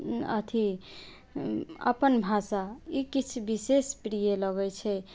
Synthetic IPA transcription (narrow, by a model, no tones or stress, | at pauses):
ə̰t̪ʰi | ə̰pənbʱasaikit͡ʃʰbisespɾijeləɡɛjt͡ʃʰɛ